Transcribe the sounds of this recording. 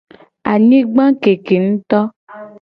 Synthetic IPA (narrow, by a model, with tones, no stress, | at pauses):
a˨ɲĩ˦ɡ͡bã˦ke˨ke˨ŋ̩̃˦t̪ɔ˦